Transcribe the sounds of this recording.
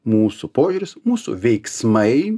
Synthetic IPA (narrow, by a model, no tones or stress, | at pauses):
muːsʊpoːʒʲuːɾʲɪsmuːsʊ̰ʋʲɛɪksmɐɪ